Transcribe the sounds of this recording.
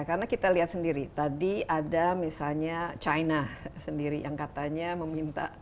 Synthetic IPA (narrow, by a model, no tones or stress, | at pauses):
kaɾənakit̪aliɦat̪səndiɾit̪adiadamisalɲat͡ʃainasəndiɾija̰ŋkat̪aɲaməmint̪a̰